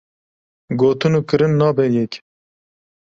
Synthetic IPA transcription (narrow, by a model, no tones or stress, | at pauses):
ɡoːt̪ɨnuːkɨɾɨnːɑːbɛjɛkʲ